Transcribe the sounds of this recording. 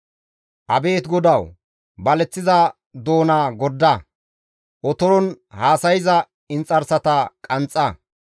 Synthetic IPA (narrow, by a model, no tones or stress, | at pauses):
ʔɐbe̞ːt̪ɡɔd̪ɐw | bɐlɛt͡sːɪzɐ | d̪o̞ːnaːɡɔd̪ːɐ | ʔɔt̪ɔɾɔnhaːsɐjɪzɐ | ɪnt͡sʼːɐɾsɐt̪ɐkʼɐnt͡sʼːɐ